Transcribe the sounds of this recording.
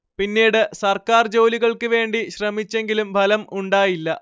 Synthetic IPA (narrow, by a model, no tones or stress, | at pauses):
pinːiːɽɨsɐrkaːrd͡ʑo̞ːliɣɐɭkɨʋe̞ːɳɖiɕrɐmit͡ɕːe̞ŋɡilumbʱɐlɐmuɳɖaːjilːɐ